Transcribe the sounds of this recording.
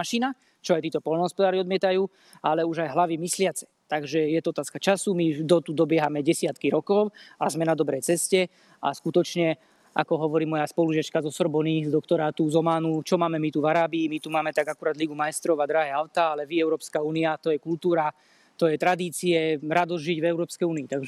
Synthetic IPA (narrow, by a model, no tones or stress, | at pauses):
aʃina | t͡ʃɔajt̪iːt̪ɔpɔlnɔɦɔspɔd̪aːɾiɔd̪mɪɛt̪ajuː | alɛuʒajɦlaʋimislɪat͡sɛ̥ | t̪aɡʒɛjɛt̪ɔɔt̪aːskat͡ʃasumid̪ɔt̪ud̪ɔbɪɛɦamɛɟɛsɪat̪kiɾɔkɔʊazmɛnad̪ɔbɾɛjt͡sɛscɛ | a̰skut̪ɔt͡ʃɲɛ | a̰kɔɦɔʋɔɾiːmɔjaspɔluʒɪat͡ʃkazɔsɔɾbɔnizd̪ɔkt̪ɔɾat̪uzɔmaːnut͡ʃɔmaːmɛmit̪uvaɾaːbiːmit̪umaːmɛt̪aɡakuɾaːd̪liɡumajst̪ɾɔʋad̪ɾaɦɛaʊt̪aːalɛʋiɛʊɾɔːpskauːniat̪ɔjɛkult̪uːɾa | t̪ɔjɛt̪ɾad̪iːt͡siɛɾad̪ɔzʒiɟvɛʊɾɔːpskɛjuːniːt̪aɡʒɛ